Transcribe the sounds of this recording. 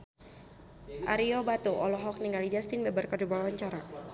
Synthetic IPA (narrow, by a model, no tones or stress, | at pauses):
ʔaɾiɔbat̪uʔɔlɔɦɔk̚niŋalid͡ʒast̪inbɛbərkədubawaɲt͡ʃaɾa